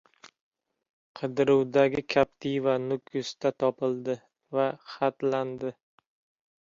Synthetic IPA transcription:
qʰɨd̪ɪɾʊwd̪aɡʲɪkʲʰap̚t̪ʰijvanʊkʲʰjʊst̪ʰat̪ʰɒpɪld̪ɪ | vaχat̪land̪ɪ

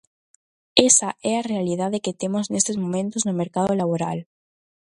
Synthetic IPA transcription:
esaʔɛarealið̞aðeket̪emoznest̪ezmõmẽnt̪oznomeɾkaðolaβ̞oɾal

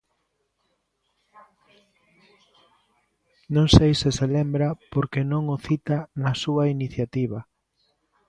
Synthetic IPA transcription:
nõŋsejsɪselembɾɐpoɾkenõŋoθit̪anɐsuainiθjat̪iβɐ

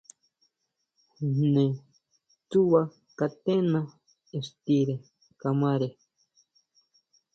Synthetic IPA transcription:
ne | t͡suwa | kat̪ena | est̪iɾe | kamaɾe

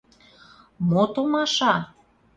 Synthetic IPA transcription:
mot̪omɑʃɑ

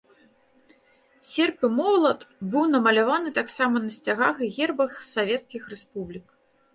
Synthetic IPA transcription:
sʲɛrpɨmɔwlˠɐt̪bɨwnɐmɐlʲavanɨt̪aksamɐnɐsʲt͡sʲaɣaxɣʲɛrbɐxsavʲɛt̪skʲixrɛspublʲik

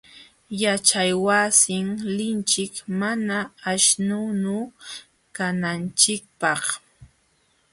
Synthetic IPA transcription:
jat͡ʃajwasɪŋlɪnt͡ʃɪkmanaːʃnʊnʊ | kanant͡ʃɪk̚pɑχ

